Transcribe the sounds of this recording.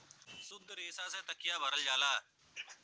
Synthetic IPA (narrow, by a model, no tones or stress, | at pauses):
sʊd̪əɾeːsaːsẽːt̪əkɪjaːbʱəɾəld͡ʒaːlaː